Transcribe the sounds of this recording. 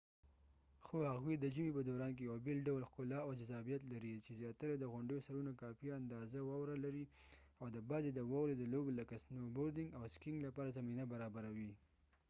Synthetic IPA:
xohaɣwid̪əd͡ʒəmepəd̪oɾɑnk̬ejawbelɖawlxkʊlɑawd͡ʒazɑbijat̪laɾit͡ʃezjɑt̪aɾad̪əɣʊɳɖəjosaɾunakɑfiand̪ɑzawɑwɾalaɾi | awd̪əbɑzed̪əwawɾed̪əloboləkasnoboɾd̪ɪŋɡawskɪŋɡlapɑɾazaminabaɾɑbaɾawi

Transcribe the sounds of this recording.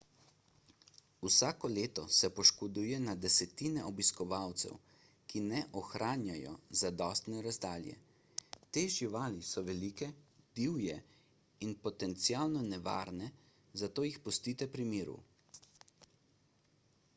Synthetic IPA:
usaːkɔleːt̪ɔsɛpɔʃkɔd̪uːjɛnad̪ɛsɛt̪iːnɛʔɔbiskɔʋawt̪sɛ̰w | kinɛʔɔxɾaːnjajɔ̰zad̪ɔst̪nɛɾazd̪aːljɛ̰ | t̪eːʒiʋaːlisɔʋɛliːkɛd̪̥iwjɛ | inpɔt̪ɛnt̪sialnɔnɛʋa̰ːɾnɛ | zat̪oːjixpɔst̪iːt̪ɛpɾimiːɾṵ

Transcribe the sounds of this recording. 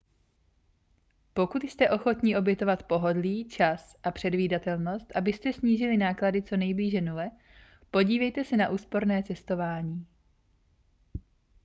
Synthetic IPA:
po̞kut̪jst̪ɛʔo̞xo̞t̪ɲɪʔo̞bjɛt̪o̞vat̪po̞ɦo̞dliːt͡ʃasʔapr̝̥ɛdviːdat̪ɛlno̞st̪ʔabɪst̪ɛsɲiːʒɪlɪnaːkladɪt͡so̞nɛjbliːʒɛnulɛ | po̞ɟiːvɛjt̪ɛsɛnaʔuːspo̞ɾnɛːt͡sɛst̪o̞vaːɲiː

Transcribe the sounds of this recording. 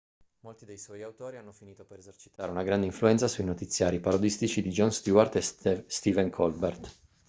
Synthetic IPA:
molt̪id̪ejswɔjawt̪oːɾianːofiniːt̪opeɾezert͡ʃi̥t̪aːɾeunaɡɾand̪eiɱfluɛnt̪sasuinot̪it̪sːjaːɾipaɾod̪ist̪it͡ʃid̪id͡ʒɔnst̪uart̪est̪ivɛŋkʰɔlbert̪

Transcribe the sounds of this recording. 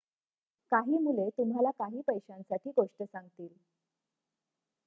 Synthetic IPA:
kaɦiːmulet̪um̤ɦalakaɦiːpəjɕãnsaʈʰiːɡoʂʈəsãŋɡt̪iːl

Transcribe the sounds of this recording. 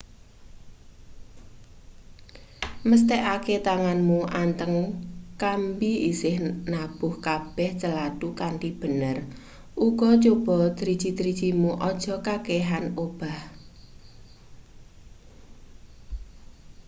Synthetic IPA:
məst̪ɛʔaket̪aŋanmuʔant̪əŋkambiisɪhnab̥ʊhkab̥ɛht͡ʃəlaɖ̥ukaɳʈib̥ə̤nər | ʔuɡ̥ɔt͡ʃob̥ɔ̤d̪̥ɾid̥ʒ̥i̤t̪ɾid̥d͡ʒ̥imuʔɔd̥ʒ̥ɔ̤kakeɦanob̥a̤h

